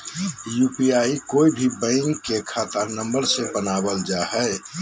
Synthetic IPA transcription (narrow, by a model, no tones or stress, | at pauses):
juːpiaːikoːibʱibə̃ɪŋkːekʰat̪əɾnə̃mbəɾsebənaːbəld͡ʒaɦɛ